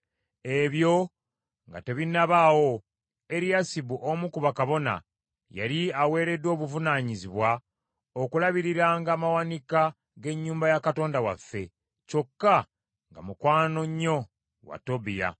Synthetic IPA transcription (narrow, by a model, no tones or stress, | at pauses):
e̞βjo̞ | ŋɡa̰te̞βinaβawo̞ | e̞ɾijasiβuʔomukuβakaβo̞na̰ | ja̰ɾiawe̞ːɾe̞dwo̞ːβuvunaːɲiziβwa | okulaβiɾiɾaːŋɡaːmawanika | ɡe̞ɲːuːmbajakato̞ːndawafːe̞ | co̞kːa | ŋɡa̰mukwaːno̞ɲːo̞ | wa̰to̞bija̰